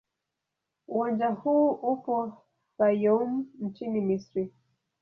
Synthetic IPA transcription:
uwãnd͡ʒahuːʔupɔ | bajɔmn̩t͡ʃinimisɾi

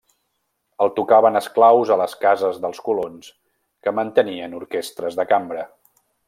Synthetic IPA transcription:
əlˠt̪ukaβənəsklawzələskazəzðəlˠskulons | kəmənt̪əniənuɾkest̪ɾəzðəkambɾə

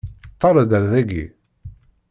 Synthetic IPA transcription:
t̪ˤːɑɾˤəd̪əɾðæɡḭ

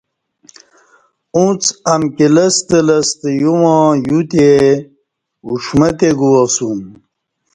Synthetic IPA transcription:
ũt͡sɐmkiləst̪əlɐst̪əjuwãjut̪e | uʂmət̪eɡuwɐsum

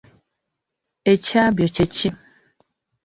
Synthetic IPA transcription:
et͡ʃabjot͡ʃet͡ʃi

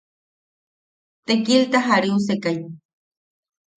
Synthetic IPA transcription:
t̪ekilt̪aɦaɾius̬ekaj

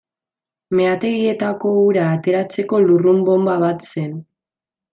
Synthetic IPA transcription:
me̞at̪e̞ɣie̞t̪ako̞uɾaːt̪e̞ɾat͡se̞ko̞lurumbo̞mbaβat̪se̞n

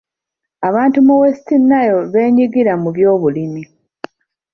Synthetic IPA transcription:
aβaːntumuwestinːajo̞βe̞ːɲiɡiɾamuβjo̞ːβulimi

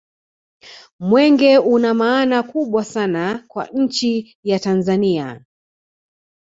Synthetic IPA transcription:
mwɛŋɡɛunamaːnakuɓwasanakwa̰ɲ̩t͡ʃi | jatanzania

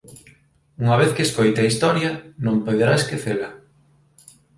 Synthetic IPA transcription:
uŋɐβ̞eθkeskojt̪eɐist̪ɔɾjɐnõmpoðeɾaeskeθelɐ

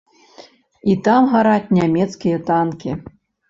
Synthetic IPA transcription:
it̪amɣaɾat͡sʲnʲamʲɛt̪skʲijɛt̪ankʲi

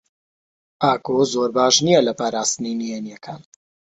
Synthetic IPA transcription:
ʔaːkozoːɾbaːʃnijɛlɐpaːɾaːst̪ɨninijenijɛkʰaːn

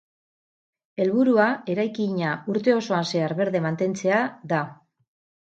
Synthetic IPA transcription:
e̞lβuɾuae̞ɾajkiɲauɾt̪e̞o̞so̞anse̞aɾβe̞ɾðe̞mant̪e̞nt͡se̞aða

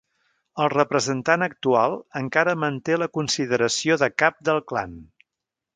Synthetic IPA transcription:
əlˠrəpɾəzənt̪anək̚t̪ualˠəŋkaɾəmənt̪eləkunsiðəɾəsioðəkap̚d̪əlˠkla̰n

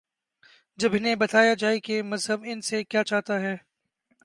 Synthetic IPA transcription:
d͡ʒɐbɪnebɐt̪aːjad͡ʒaːekemɐzɦəbɪnsekjaːt͡ʃaːɦt̪aɦɛː

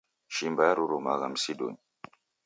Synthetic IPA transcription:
ʃimbajaɾuɾumaɣamsiɗṵɲ

